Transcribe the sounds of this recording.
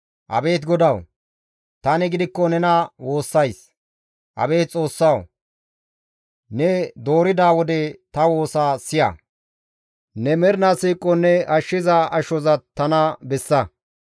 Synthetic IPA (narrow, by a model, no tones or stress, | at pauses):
ʔɐ̰be̞ːt̪ɡɔd̪ɐw | t̪ɐnɪɡɪd̪ɪkːɔnɛnɐwo̞ːsːɐjs | ʔɐ̰be̞ːt̪̚t͡sʼo̞ːsːɐw | nɛd̪o̞ːɾɪd̪aːwɔd̪ɛt̪ɐwo̞ːsaːsɪjɐ̰ | nɛmɛɾnasiːkʼːɔnɛɐʃːɪzɐɐʃɔzɐt̪ːɐnɐbɛsːɐ